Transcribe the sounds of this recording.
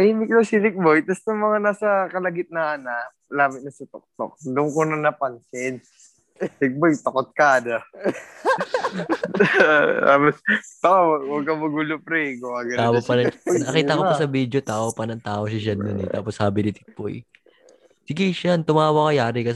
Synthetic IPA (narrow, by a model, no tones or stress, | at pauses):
ɐimɪklosɪt̪ɪk̚bojt̪ɐst̪ɐmɐŋanaːsɐkɐlɐɡɪt̪̚nɐʔɐna | laːmɪt̪nɐsɐt̪o̰k̚t̪o̰k̚d̪ʊŋkonɐnɐpɐnsɛn | t̪ɪk̚bojt̪ɐkot̪̚kaːd̪ɐ | t̪a̰ːpost̪ɐkawɐɡ̚kɐmɐɡuːlopɾɛɡoaɡɐaːwopɐnɐɐkiːt̪ɐkopɐsɐbiːd̪ot̪aːʔopɐnɐŋt̪aːʔoʃɐʃɐnːɐnɛt̪aːposhaːbɪnɪt̪ɪk̚b̥o̰j | sɪɡɪʃant̪ʊmaːwɐkɐjaːɾɪkɐs